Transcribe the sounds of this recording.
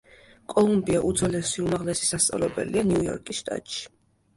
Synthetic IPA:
kʼɔlˠumbiaʔud̪zɔlɛsiumaʁlɛsi̥sast̪sʼa̰vlɛbɛ̰lianiujɔ̰ɾkʼisʃt̪ʼa̰t̪ʼʃi̥

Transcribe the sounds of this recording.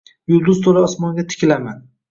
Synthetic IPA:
jʊɾd̪ʊzt̪ʰoɾɪɒsmɒŋɡʲat̪ʰɪ̥kʲlaman

